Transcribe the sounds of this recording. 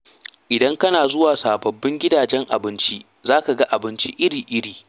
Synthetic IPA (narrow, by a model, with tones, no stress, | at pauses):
ʔɪ˨dɐ˦ŋkɐ˦naː˨zʊ˦waː˨saː˨bɐ˨bːɪ˦ŋɡʲɪ˦daː˨d͡ʒɛ˦ŋʔa̰˨bɪ˦nt͡ʃi˦ | zaː˦ka˨ɡɐ˦ʔa˨bɪ˦nt͡ʃi˦ʔɪ˦ɽiː˨ʔɪ˦ɽiː˨